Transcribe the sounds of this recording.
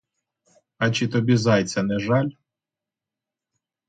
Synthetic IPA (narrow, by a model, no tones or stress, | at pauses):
ɐt͡ʃɪt̪ɔbʲizɑjt͡sʲːɐnɛʒɑlʲ